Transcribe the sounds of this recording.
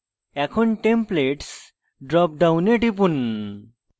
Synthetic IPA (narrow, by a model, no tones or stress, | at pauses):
ɛkʰɔnʈempleʈs | ɖɾɔp̚ɖawneʈip̬un